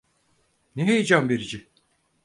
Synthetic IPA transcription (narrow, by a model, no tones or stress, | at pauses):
neɦejid͡ʒambeɾid͡ʒi